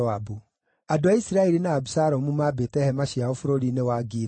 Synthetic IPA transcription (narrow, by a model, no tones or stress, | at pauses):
abu | adoaisiɾaɛɾinaːbusaɾɔmumaːbeːtɛhɛmaɕiaɔfoɾoɾinewaːɡiːɾ